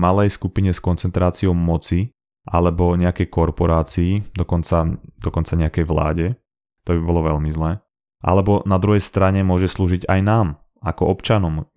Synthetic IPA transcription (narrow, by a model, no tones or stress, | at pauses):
malɛjskupiɲɛskɔnt͡sɛnt̪ɾaːt͡siɔʊmɔt͡si | ʔa̰lɛbɔɲɛakɛjkɔɾpɔɾaːt͡siːd̪ɔkɔnt͡sad̪ɔkɔnt͡saɲɛakɛjʋla̰ːɟɛ | t̪ɔbibɔlɔʋɛʎmizlɛː | ʔa̰lɛbɔnad̪ɾuɦɛjst̪ɾaɲɛmʊɔʒɛsluːʒiɟajnaːm | akɔɔpt͡ʃanɔm